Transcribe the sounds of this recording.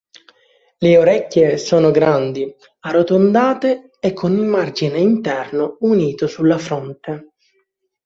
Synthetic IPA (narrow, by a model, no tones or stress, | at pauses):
leoɾɛkʲːjesoːnoɡɾand̪i | arot̪ond̪aːt̪eː | kʰːonilmard͡ʒineint̪ɛrnouniːt̪osulːafɾont̪e